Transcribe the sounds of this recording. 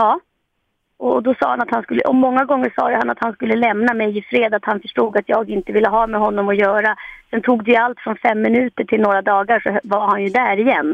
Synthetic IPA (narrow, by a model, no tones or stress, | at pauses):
ɑː | ɔd̪ɔsɑ̰ːha̰nat̪hanskɵlːə̰ʔɔmːɔŋːaɡɔŋːəʂɑ̰ːjɵhanat̪hanskɵlːəlɛmnamɛjɪfɾeːd̪aːt̪hanfœʂʈuːɡat̪jɑːɡɪnt̪əvɪlːəɦɑːmɛɦɔnːɔmɔjœːɾasɛnt̪ʰuːɡ̚d̪ɛjɵalt̪fɾɔnfɛmːɪnʉ̟ːt̪əʈʰɪlnoːɾad̪ɑːɡaʂɔvaɾhanjɵd̪æːɾɪjɛnː